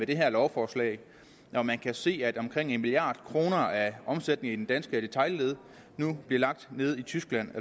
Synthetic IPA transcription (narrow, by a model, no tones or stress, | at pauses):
meɾ̥e̝ɦæɐlɒʊfɒːslɛ̰ɪ | ʔɒmænkʰæse̝̰ːæd̥ɒ̽mkʰʁeŋ̰e̝nmilijɑ̈ːd̥kʰʁo̝ːnɐæɒ̽msed̥̚ne̝ŋ̩id̥end̥ænsɡ̥əd̥e̝t͡sʰɑ̈ɪle̝ð̞ˠ | nub̥liɐlɑ̈ɡ̥̚d̥ne̝ːð̞ˠit͡sʰysɡ̥læn̰e